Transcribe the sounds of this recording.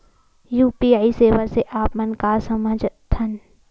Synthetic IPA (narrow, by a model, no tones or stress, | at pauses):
juːpiːaːiseːʋəseʔaːpmɐnkasɐməd͡ʒt̪ʰɐn